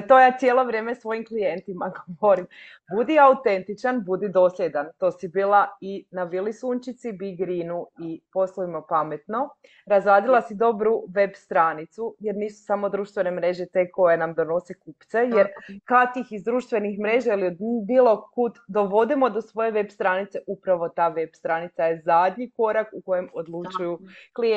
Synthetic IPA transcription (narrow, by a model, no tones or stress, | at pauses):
t̪o̞jaːt̪sʲjeːlˠo̞ʋɾje̞ːmesʋo̞jimklije̞nt̪imaɡoʋoɾim | bud̪iaut̪e̞nt̪it͡ʃanbud̪id̪o̞slʎʲed̪ant̪o̞ːsibiːlˠainaʋilisuːnt͡ʃit̪sibiɡɾinuipo̞slˠuimopame̞t̪no̞ | ɾazɾaːd̪ilˠasid̪o̞bɾuʋe̞bst̪ɾaːnit̪suje̞ɾniːsu̥samo̞d̪ɾuːʃt̪ʋe̞ne̞mɾe̞ʒe̞t̪e̞ko̞je̞namd̪o̞no̞sekupt̪se̞je̞ɾkat̪ixizd̪ɾuːʃt̪ʋe̞nixmɾe̞ʒailiod̪biːlˠo̞kut̪d̪o̞ʋo̞d̪imo̞d̪osʋo̞je̞ʋe̞bst̪ɾaːnit̪se̞ʔupɾaʋo̞t̪aːʋe̞bst̪ɾaːnit̪saje̞zad̪ɲiko̞ɾakuko̞je̞mo̞d̪lˠut͡ʃujukli